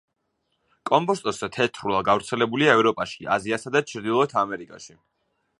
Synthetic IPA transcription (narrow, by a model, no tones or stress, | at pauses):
kʼɔmbɔst̪ʼɔsɛt̪ʰɛt̪ʰɾulˠaɡavɾt̪sʰɛlɛbuliaɛvɾɔpʼaʃia̰ziasad̪at͡ʃʰɾd̪ilˠɔt̪ʰamɛɾikʼa̰ʃi